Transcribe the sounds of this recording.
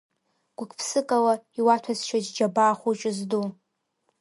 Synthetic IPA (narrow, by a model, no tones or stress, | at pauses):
ɡ̥ʷʊkʷʰʼpʰsɨkʼalaiwatʰazʃʰad͡ʒd͡ʒabaːχʷut͡ʃʼɪzdu